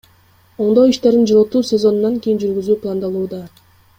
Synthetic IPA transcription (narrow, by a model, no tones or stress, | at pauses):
oɴd̪oiʃt̪eɾd̪ind͡ʒoɾot̪ːuːsʲe̞zo̞nunːɑŋkʲijind͡ʒyɾɡyzyːplˠɑnd̪ɑlˠuːd̪ɑ